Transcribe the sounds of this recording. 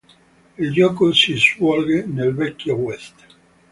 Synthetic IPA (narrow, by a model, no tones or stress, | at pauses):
ild͡ʒɔːkosiswɔlɡenelvɛkːjowɛst̪